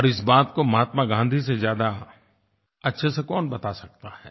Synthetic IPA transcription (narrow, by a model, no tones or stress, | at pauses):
ɔːɾɪsbaːt̪komɐɦaːt̪maɡãːnd̪ʱis̬ezjaːd̪a | ɐtːʃʰesekɔːnbɐt̪asɐk̚t̪ahɛ̰ː